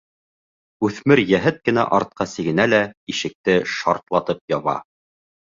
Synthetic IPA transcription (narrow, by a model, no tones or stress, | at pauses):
ʉθmɘɾjæɦɘt̪̚kɘ̆næ̰ʔɑɾt̪̚qɑsiɡɘ̆nælæiʃɘ̆k̚t̪ɘʃɑ̰ɾt̪lˠɑt̪ɤp̚jɑβɑ̰